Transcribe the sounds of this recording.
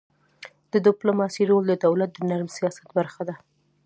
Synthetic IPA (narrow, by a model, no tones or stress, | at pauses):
d̪əd̪ɪplomɑsiɾold̪əd̪awlat̪̚d̪ənaɾmsijɑsḁt̪̚baɾxad̪a